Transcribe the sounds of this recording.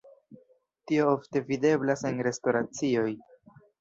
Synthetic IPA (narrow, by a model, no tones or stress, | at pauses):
tio̞ofte̞vide̞blasenɾe̞sto̞ɾat͡sio̞j